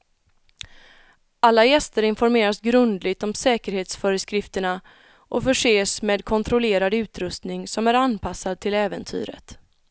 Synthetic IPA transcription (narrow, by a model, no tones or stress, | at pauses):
ʔalːajɛst̪əɾɪnfɔɾmeːɾasɡɾɵnd̪lɪɡ̚t̪ɔmsɛːkəɾheːt̪sfœɾəskɾɪft̪əɳa | ʔɔfœʂeːsmeːd̪kʰɔnt̪ʰɾʊleːɾad̪ʉ̟ːt̪ɾɵst̪nɪŋsɔmæɾanpʰasːad̪̚t̪ʰɪlɛːvənt̪ʰy̰ːɾə̰t̪